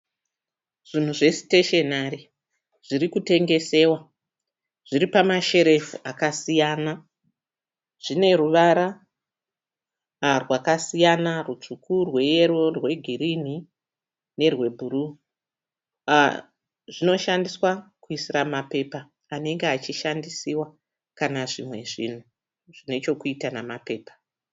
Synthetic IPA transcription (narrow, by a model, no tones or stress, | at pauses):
ʐ̥in̤uʐe̞si̥te̞ʃe̞naɾi | ʐ̥iɾikute̞ŋɡe̞se̞ːwa | ʐ̥iɾipamaʃe̞ɾe̞fuʔakasijana | ʐ̥ine̞ruʋaɾa | rwakasijanarut͡ʂukurwe̞jeɾorwe̞ɡʱiɾin̤i | ne̞rwe̞bʱuɾu | ʐ̥ino̞ʃandiswakuisiramape̞paː | ne̞ŋɡeat͡ʃiʃandisiwa | kanaʐimwe̞̰ʐḭn̤u | ʐ̥ine̞t͡ʃo̞kuitanamape̞ːpḁ